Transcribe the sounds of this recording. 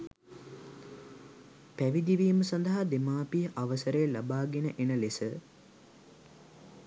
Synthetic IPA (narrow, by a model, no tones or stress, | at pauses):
pæʋid̪iʋiːməsɐnd̪əɦad̪emaːpiʔaʋəsəɾəjəlabaːɡenəʔenəlesə